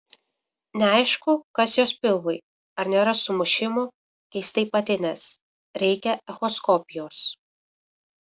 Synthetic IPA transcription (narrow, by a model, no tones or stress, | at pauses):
nʲɛɑˑɪʃkʊkɐsjoːspʲɪlˠʋʊɪ | ɐɾnʲeːɾɐsʊmʊʃʲɪmʊ | kʲɛɪst̪ɐɪpɐt̪ʲɪnʲɛs | ɾʲɛɪkʲɛɛxɔskɔpʲɪjoːs